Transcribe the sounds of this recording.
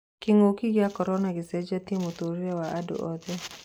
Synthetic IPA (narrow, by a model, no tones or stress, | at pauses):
kiŋokiɣakɔɾɔnaɣisɛd͡ʒat̪imut̪oɾiawaʔadṵʔɔd̪ɛ